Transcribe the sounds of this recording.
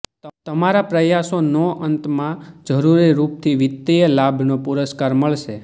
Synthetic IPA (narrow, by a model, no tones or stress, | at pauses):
t̪əmaɾapɾəjasonɔʔənt̪mãd͡ʒəɾuɾiɾup̚t̪ʰiʋɪt̪ːijəlabʱnopuɾəskaɾməɭʃe